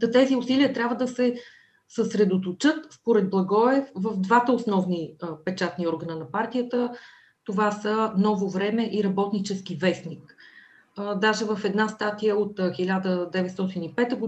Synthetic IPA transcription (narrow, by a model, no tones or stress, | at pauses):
d̪ɐt̪ɛziʊsiliət̪ɾʲabvəd̪əsɛ | səsɾɛd̪ot̪ot͡ʃɤt̪spoɾɛd̪̚blˠɐɡɔɛfvəvd̪vat̪əosnɔvnipɛt͡ʃat̪niɔɾɡənənɐpaɾt̪ijət̪ə | t̪ovasənɔvovɾɛmɛʔiɾɐbɔt̪nit͡ʃɛsk̟ivɛsnik | d̪aʒɛvəfɛd̪nast̪at̪ijəot̪xilʲad̪əd̪ɛvɛt̪st̪ɔt̪inipɛt̪əɡʊ